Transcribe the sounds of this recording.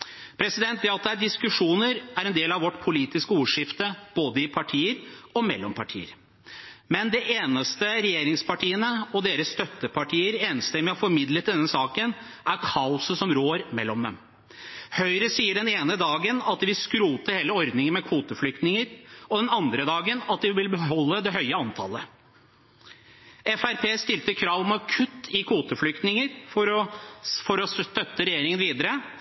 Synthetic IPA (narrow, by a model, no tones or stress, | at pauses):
pʰɾɛsɪd̪ɛnt̪d̪ɛɑt̪̚d̪ɛæɖɪskʉʂuːnəɾæɾɛnd̪eːlɑʋɔʈːpʰʊliːt̪ɪskəuːʂɪft̪əb̥oːd̪əɪpʰɑʈʰiːəɾɔmɛlːɔmpʰɑʈʰḭːə̰ɾ | mɛnd̪ɛʔeːnəst̪əɾɛjeːɾɪŋspɑʈʰiːənəɔd̪eːɾəsst̪œt̪ːəpʰɑʈʰiːəɾeːnəst̪ɪmɛɔfɔɾmɪd̪lət̪̚d̪ɛnːəsɑːkən | ʔæɾkʰɑːʊsəsɔmɾoːɾmɛlːɔmd̪ɛ̰m | hœʏɾəsiːəɖɛneːnəd̪ɑːɡənɑt̪ʋɪskɾuːt̪əheːləɔɾd̪nɪŋənmɛkʰʋuːt̪əflʏk̚t̪nɪŋəɾɔd̪ɛnɑnd̪ɾəd̪ɑːɡənɑt̪d̪ɪʋɪlbəɦɔlːəd̪ɛɦhœʏəɑnt̪ʰɑ̰lə | ɛfæɾpʰeːst̪ɪlt̪əkʰɾɑːʋɔmɑkʰʉt̪ːɪkʰuːt̪əflʏkt̪nɪŋəɾfɔɾɔfɔɾɔst̪œt̪ːəɾɛjeːɾɪŋənʋiːd̪əɾə